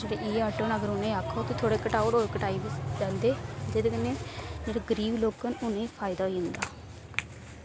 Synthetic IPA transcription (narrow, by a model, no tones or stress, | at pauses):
d͡ʒeːɽeʔiːaːʈoːnəɡəɾʊnẽaːkʰːoːt̪eːt̪ʰoːɽeːkəʈaːʊɽoːɾkəʈaːiːbɪsd̪əːnd̪eːd͡ʒeːd̪eːkɪnẽːd͡ʒeːɽaɡəɾiːbloːkənʊnẽːipʰaːɪd̪aːɦːɪnd̪aː